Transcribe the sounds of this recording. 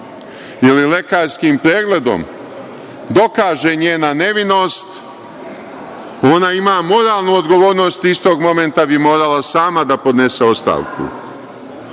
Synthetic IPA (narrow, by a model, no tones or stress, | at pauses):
jelile̞kaːɾskimpɾe̞ːɡle̞d̪o̞̰m | d̪o̞kaːʒe̞ɲeːnane̞ʋino̞st̪ | o̞naimaːmo̞ɾaːlˠnuod̪ɡo̞ʋo̞ːɾno̞ːst̪ist̪o̞ːɡmo̞me̞nt̪abimo̞ːɾalasaːmad̪apo̞d̪ne̞se̞o̞st̪a̰ːʋkṵ